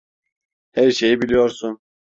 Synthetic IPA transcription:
hæɾʃe̞jibilʲijoɾsun

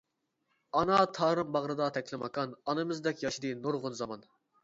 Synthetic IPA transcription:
ɑnɑt̪ʰɑːɾɨmbɑʁɾɨd̪ɑt̪ʰɛkʲlɪmɑ̰kʰɑnɑnɨmɨzd̪ɛkʲjɑʃid̪ɨnoɾʁʊnzɑmɑn

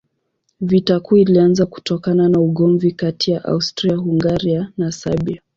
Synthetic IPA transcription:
vitakuilianzaku̥tɔkananauɠɔɱvikatijaʔa̰ustɾiahuŋɡaɾianasa̰bia

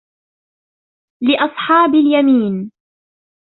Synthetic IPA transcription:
lɪʔɑsˤħɑːbɪljamiːn

